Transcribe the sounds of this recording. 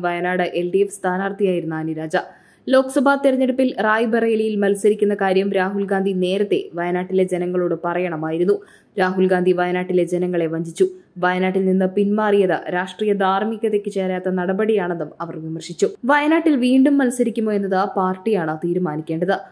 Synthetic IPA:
ʋɐjɐnaːɽɨʔe̞lɖijefst̪ʰaːnaːrt̪ijaːjiɾunːaːniɾaːd͡ʑɐ | lo̞ːkɐsɐbʱaːt̪irɐɲːeɽupːilraːjbʱɐrɐelijilmɐlsɐɾikʲːunːɐkaːɾjɐmɾaːɦulɡaːnd̪ʱine̞ːɾɐt̪ːe̞̰ʋɐjɐnaːʈːile̞d͡ʑenɐŋːɐɭoːɽɨpɐrɐjɐɳɐmaːjiɾunːu | ɾaːɦulɡaːnd̪ʱiʋɐjɐnaːʈːile̞d͡ʑenɐŋːɐɭe̞ʋɐɲd͡ʑit͡ɕːuʋɐjɐnaːʈːilninːɨpinmaːrijɐðɨ̰ɾaːʂʈriːjɐd̪ʱaːrmiɣɐðekːɨt͡ɕeːɾjaːt̪ːɐnɐɽɐbɐɽijaːɳɐnðumɐʋɐrʋimɐrʂit͡ɕːuʋɐjɐnaːʈːilʋiːɳɖumːɐlsɐɾikʲːumːoːenːɐðapaːrʈːijaːɳɨt̪iːɾumaːnikʲːe̞ːɳɖɐðɨ

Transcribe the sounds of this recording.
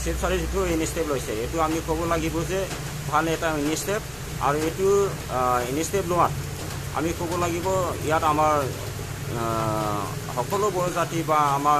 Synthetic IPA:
sesaɹizitʊinisteplojsɛetʊamikobɔlaɡibɔzɛ | bʱalɛtainistep̚ | a̰ɹuetu | inisteplɔwat̚ | a̰mikobɔlaɡibɔḭjatamaɹ | hɔkɔlɔbɔɹɔzatibaːma

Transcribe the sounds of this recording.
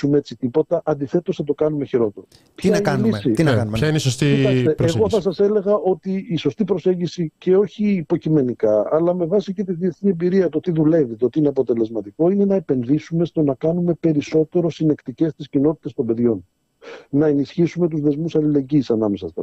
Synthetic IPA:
umee̞t͡sit̪ipo̞t̪ɐʔɐnd̪iθe̞t̪o̞sθɐt̪o̞kɐnume̞çiɾo̞t̪e̞ɾo | çɐieissit̪nɐçɐineisost̪iit̪ɐst̪eeɣɣo̞θɐsɐse̞le̞ɣɐo̞t̪iːso̞st̪ipɾo̞se̞ɲɟisice̞o̞çiːpo̞cime̞nikɐɐlɐme̞vɐsicet̪iðie̞θniembiɾiɐt̪ot̪iðule̞vit̪oot̪iineɐpo̞t̪e̞le̞zmɐt̪iko̞ine̞nɐe̞pe̞nðisume̞st̪o̞nɐkɐnume̞pe̞ɾiso̞t̪e̞ɾo̞sine̞kt̪ice̞st̪iscino̞t̪i̥t̪e̞st̪o̞mbe̞ðʝo̞n | nɐe̞nisçisume̞t̪uzðe̞zmusɐlile̞ɲɟiːsɐnɐme̞sɐst̪ɐ̰

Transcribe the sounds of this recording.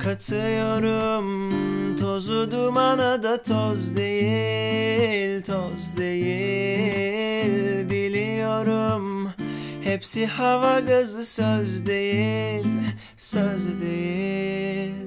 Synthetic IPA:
kʰat̪ʰɯjoɾumt̪ʰozud̪umanad̪at̪ʰozd̪eji | lʲt̪ʰozd̪eji | lʲbilʲijo̞ɾum | hepsihavaɡazɯsøzd̪e̞jilʲ | søzd̪eji | lʲ

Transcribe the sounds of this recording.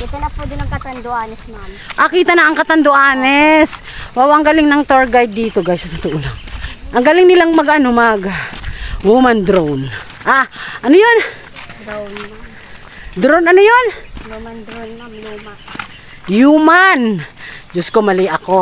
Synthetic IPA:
ɛt̪ɐnɐpud̪ɪnɐŋkɐt̪ɐnd̪oʔaːnɛsma | ʔɐkiːt̪ɐnɐʔɐŋkɐt̪ɐnd̪oʔaːnɛs | wawaʔŋɡalɪŋnɐŋt̪oɹɡajd̪̚ːiːt̪oɡajsɐt̪ʊt̪oʔonaʔɐŋɡalɪŋnɪlaŋmɐɡʔɐnomaɡawumand̪ɾown | ʔaʔɐnojo̞n | d̪ɾownɐnojon | jumand͡ʒoskomɐlɪʔɐko̞

